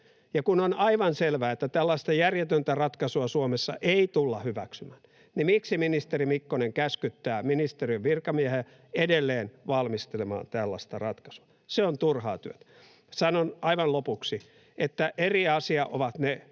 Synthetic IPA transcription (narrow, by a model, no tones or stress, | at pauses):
jɑkunonɑiʋɑnselʋæːet̪ːæt̪ælːɑist̪ɑjærjet̪ønt̪ærɑt̪kɑsuɑsuomesːɑ̰ʔeit̪ulːɑhyʋæ̰ksymæːn | nimiksiminist̪erimikːoneŋkæskyt̪ːæːminist̪eriøʋʋirkɑmiæhe | edelːeːnʋɑlmist̪elemɑ̰ːnt̪ælːɑ̰st̪ɑ̰rɑt̪kɑ̥su̥ɑ̥ | seont̪urhɑːt̪yøt̪æ̥ | sɑnonɑiʋɑnlopuksi | ʔet̪ːæʔeriɑsiɑʔo̰ʋɑt̪ne